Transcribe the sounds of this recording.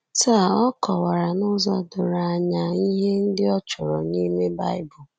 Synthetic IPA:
ta˦˨ɔ˦kɔ˨wa˨ɾa˨nʊ˦zɔ˦dʊ˨ɾa˨a˦ɲa˦i˦ɦe˦n̩˦dɪ˦ɔ˦t͡ʃʊ˨ɾɔ˨ni˦me˦ba˦ɪ˦bʊ˨

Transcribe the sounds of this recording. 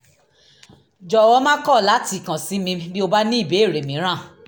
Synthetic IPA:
d͡ʒɔ˨wɔ˧˦mã˦kɔ˦˨la˨˦ti˧˨kã˨si˨˦mĩ˧bi˦o˧ba˦nĩ˦i˦˨be˨˦e˦˨ɾe˨mĩ˨˦ɾ̃ã˦˨

